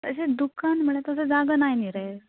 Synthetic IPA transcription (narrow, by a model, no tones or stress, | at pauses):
əɕed̪ukanm̤əɽet̪əsed͡zaɡənajniɾəeɾ